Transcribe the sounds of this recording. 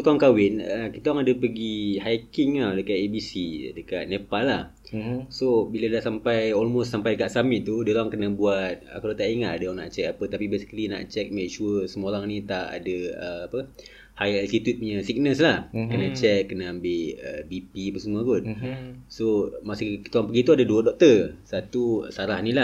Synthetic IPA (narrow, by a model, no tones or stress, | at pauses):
t̪ukawaŋkawɪnəkit̪awaŋadəpəɡihajkɪŋadəkaebisidəkat̪̚nepalːah | sobiladahsampajɔlmost̪ːsampajdəkaʔ̪samɪʔ̪̚t̪udəlaŋkənəbuat̪̚ə̰kəlat̪aʔiŋat̪adəaŋna̰ʔt͡ʃɛk̚apət̪apibesi̥kəlina̰ʔt͡ʃɛk̚mɛk̚ʃusəmoɾaŋnĩt̪aʔa̰dəəapə | hajɛnst̪it̪jut̪̚puɲəsik̚nəslahkənət͡ʃɛk̚ːənəambeʔə̰bipiapaŋsəmuəkun̚somasəkt̪uanpəɡit̪uadaduədɔk̚t̪əsat̪ṵsaɾahnĩlah